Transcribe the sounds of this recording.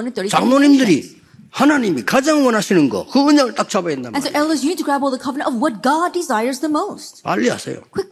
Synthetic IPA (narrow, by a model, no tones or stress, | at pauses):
nɨ̃nθə˞ɾit͡ɕaŋnoɲimdɯɾi | hanaɲimikad͡ʑaŋwʌnaɕʰinɯnɡʌ̰kɯɯɲʌŋɯɭt̪͈ak̚t͡ɕʰabaendamɛ̃nsoʊʔɛlˠʌsjɨnid̚tʰɨɡɹæbɔlˠðəkʰʌvənə̃tʌvwʌt̚ɡ̥ɑdɪzajə˞zðəmoʊst̚pa̰ʎːia̰sʰḛjo̰kʰw̥ɪk